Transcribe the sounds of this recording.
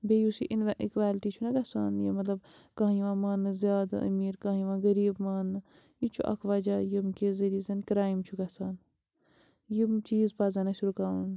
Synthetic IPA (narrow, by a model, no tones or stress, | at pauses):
bejusiʔinʋɐʔikʋaːlʈit͡ʃʰunɐɡɐsaːnjimɐt̪lɐb̚ | kãːɦjiʋãːmaːnːɨzjaːd̪a̰ʔɐ̰miːɾkaːjiʋãːɡɐɾiːbmaːnːɨ | jit͡ʃʰuʔɐ̰kʰʋaːd͡ʒaːjimkezɐɾiːzɐnkɾaːjimt͡ʃʰuɡɐsaːn | jimt͡ʃiːzpaːzɐnɐʃuɾukaːun